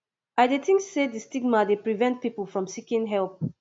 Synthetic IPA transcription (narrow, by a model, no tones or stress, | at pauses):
aɪdetɪ̃ŋksedistiɡmadepɹivɛ̃nt̚pipəl̩ˠfɹɔ̃msikĩnɦɛlˠp̚